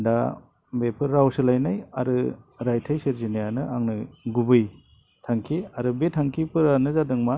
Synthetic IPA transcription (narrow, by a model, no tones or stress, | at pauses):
da | bepʰɯɾɾawsɯlajnaja̰ɾɯɾajtʰajsiɾzinijanɯaŋnɯɡubɯj | tʰaŋkʰiaɾɯbetʰaŋkʰipʰɯɾanɯzadɯŋma